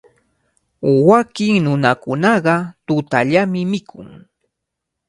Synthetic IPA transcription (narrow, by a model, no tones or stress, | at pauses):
wakɪŋnʊnakʊnɑɢɑt̪ʊt̪aʎamɪmɪkʰʊ̰ŋ